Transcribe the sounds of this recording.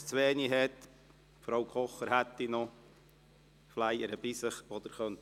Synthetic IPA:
t͡sʋeːniɦɛt̪ | fɾowkʰɔχəɾhæt̪ːinɔ | flæjəɾəb̥ɪsəχɔd̪əɾχœnt̪

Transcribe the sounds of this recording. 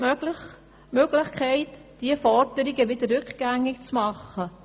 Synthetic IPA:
øl | møɡ̥lɪχkʰɛɪtd̥iəfɔrd̥əɾiɡəʋɪd̪ərːʏkχɡ̥æŋːɪkt͡smɑχːə

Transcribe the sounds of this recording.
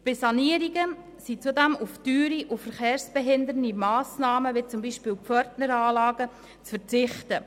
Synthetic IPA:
b̥ɪsɑniəɾiɡə | sit͡sudæmuftyːɾiʔufəɾχeːɾsb̥ɛɦɪndəɾnimɑːsnɑːməʋit͡sʊmbiːʃpɪːwpfœɾtnəɾɑːlɑːɡ̥ə | t͡sfəɾt͡sɪχtə

